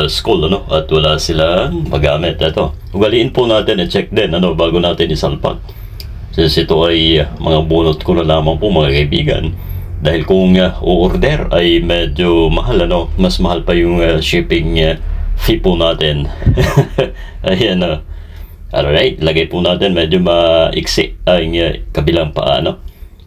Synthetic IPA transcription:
skulɐno̞ʔɐt̪wɐlasɪlapɐɡaːmɛt̪ʔɛt̪o̞ | ʔʊɡɐliʔɪnpʊnaːt̪ɪnʔɐt͡ʃɛk̚d̪ɛnɐno̞baːɡʊnaːt̪ɪnɪsalpɐ̰k̪̚ | sɪsʔɪt̪o̞ʔɐjmʔɐŋabuːnot̪̚kʊnɐlaːmɐŋpʊmɐŋakɐɪbḭːɡɐ̰nd̪aːhɪlkʊŋʔʊʔʊɾd̪ɛɾɐjmɛd͡ʒomɐɦalɐno̞mɐsmɐhalpɐjʊŋaʃiːpɪŋ | fipʊnaːt̪ɪn | ʔɐjɐno | ʔo̰lːɹajt̪̚lɐɡajpʊnaːt̪ɪnmɛːd͡ʒomɐʔɪksɪʔɐŋkɐbɪlaŋpɐ̰ʔa̰ːnaʔ̚

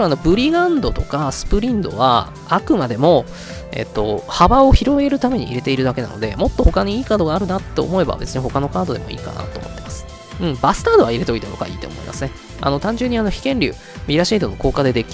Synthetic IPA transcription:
ɾano̞bɯ̟ɾʲiɡãnd̪o̞t̪o̞kasɨ̥pɯ̟ɾʲĩnd̪o̞βa̰ | akɯ̟mad̪e̞mo̞ | e̞̰t̪ːo̞habao̞çiɾo̞ɡe̞ɾɯ̟t̪ame̞ɲ̟ḭḭɾe̞t̪e̞iɾɯ̟d̪ake̞na̰nod̪e̞mot̪ːo̞ho̞kaɲ̟iiːkaːd̪o̞ɡaːɾɯ̟nat̪ːe̞omo̞e̞ba̰be̞t͡sɨɲ̟iho̞kano̞kaːd̪o̞d̪e̞mo̰ḭːka̰na̰t̪ooːmo̞̰t̪ːemasɨ̥ | ɯ̟̃ɴbasɨ̥t̪aːd̪o̞βaiɾe̞t̪o̞it̪eoɡa̰ḭːt̪o̞̰mo̞̰ḭmʔa̰sɨne̞ | ʔa̰no̞t̪ãɲ̟d͡ʑɨːɲ̟ːiano̞çi̥kẽ̞nɾʲɯ̰ː | mʲiɾaɕiːd̪o̞noko̞ːkad̪e̞d̪e̞kʲi

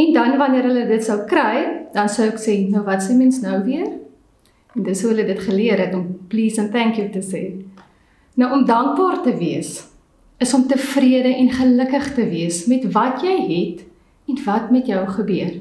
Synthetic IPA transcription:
ɛndɐnvɐniəɾɦələdətsɐwkrɛjd̥ɐnsəwəksɛnəwvɐtsɛmɛnsnɐwviər | ɛndəsuɦələdətχəliəɾɦɛtɔmpliːsənpæŋkjutəseː | nɐwɔmdɐŋk̚bɑːrtəviəs | əsɔmtəfriədəʔɛnχələkəχtəviəsmɛtvɐtjɛjɦɛt | ɛnvɐtmɛtjœwχəbyər

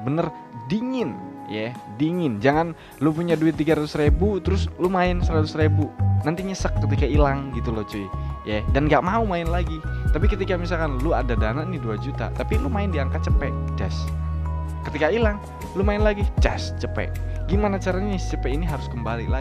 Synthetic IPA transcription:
bənər | diŋɪnjadiŋɪnd͡ʒaŋan | lupuɲaduɪt̪ːiɡaɾat̪ʊsrebut̪əɾʊslumaɪnsəɾat̪ʊsrebunant̪iɲəsəkːət̪ikailaŋɡit̪ulot͡ʃoijadanɡaʔmaumaɪnlaɡit̪apikət̪ikamisalkanluadadananiduad͡ʒut̪a̰t̪apilumaɪndiaŋkat̪̚t͡ʃəpɛʔ | d͡ʒɛs | kət̪ikailaŋ | lumaɪnlaɡid͡ʒɛst͡ʃəpɛ̰ʔɡ̥imanat͡ʃaɾaɲat͡ʃəpɛʔiniɦaɾʊskəmbalila

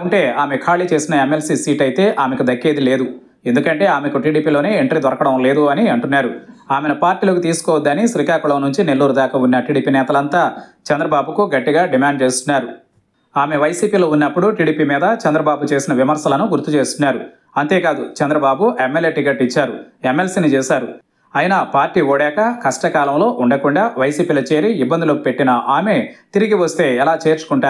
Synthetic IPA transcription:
uɳʈe̞ːaːme̞kʰaːɭiːt͡ʃe̞ːsinɐemːelsiːsiːʈɐjt̪e̞ːʔaːme̞kud̪ɐkːeːd̪ile̞ːd̪u | e̞nd̪ukɐɳʈe̞ːaːmekuʈiːɽiːpiːlo̞ːneːeɳʈɾid̪ɔɾɐkɐɽɐmle̞ːd̪uɐniɐɳʈunːaːɾuaːmenɐpaːɾʈiːlɐkut̪̬iːsu̥kɔːʋɐd̪ːɐnisɾiːkaːkuɭɐːnuɲt͡ʃinelːuːɾud̪aːkɐunːɐʈiːɽiːpiːnɛːt̪ɐlɐnt̪aːt͡ʃɛnd̪ɾɐbaːbukuɡɐʈːiɡaːɖimaːɳɖt͡ʃe̞ːst̪unːaːɾu | aːme̞ʋɐjsiːpiːlo̞ːunːɐpːuɽuʈiːɽiːpiːmiːd̪ɐt͡ʃɛnd̪ɾɐbaːbut͡ʃe̞ːsinɐʋimɐɾsɐlɐnuɡuɾt̪ːut͡ʃe̞ːst̪unːaːɾu | ɐnt̪e̞ːkaːd̪ut͡ʃɛnd̪ɾɐbaːbuʔemːeljeʈikɐʈːit͡ʃːaːɾuemːelsiːnit͡ʃɛːsaːɾu | ɐjnɐpaːɾʈːiːʋoːɽɛːkɐkɐsʈɐkaːlɐmlo̞ːʔuɳɖɐkuɳɖaːʋɐjsiːpiːlɐt͡ʃe̞ːɾiibːɐnd̪ulupe̞ʈːinɐʔaːme̞t̪iɾiɡiʋɐst̪e̞ːɛlaːt͡ʃe̞ːɾt͡ʃu̥kuɳʈaː

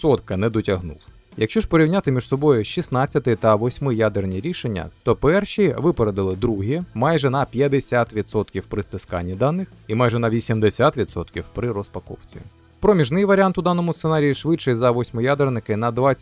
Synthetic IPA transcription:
sɔt̪kɐnɛd̪ɔtʲɐɦnṵlˠ | jɐkʃt͡ʃɔʐpɔɾʲiwnʲat̪ɪmʲiʒ̥sɔbɔjʊʃisnɑt͡sʲːɐt̪ɪt̪ɐʋɔsʲmɪjad̪ernʲiɾʲiʃenʲːɐ̰t̪ɔpɛrʃiʋɪpeɾed̪ɪlˠɪd̪ɾuɦʲimɑjʒɛnɐpʲjɐd̪esʲat̪ʋʲid̪sɔt̪kʲiwpɾɪst̪ɪskɑ̰nʲːid̪ɑnːɪximɑjʒɛnɐʋʲisʲimd̪esʲat̪ʋʲid̪sɔ̰t̪kʲiwpɾɪɾɔspɐkɔ̰wt͡sʲḭ | pɾɔmʲiʒnɪjʋɐɾʲant̪ʊd̪ɑnːɔmʊst̪enɑɾʲijiʃʋɪt͡ʃt͡ʃɪjzɐʋɔsʲmɪjad̪ernɪkɪnɐd̪ʋɑ

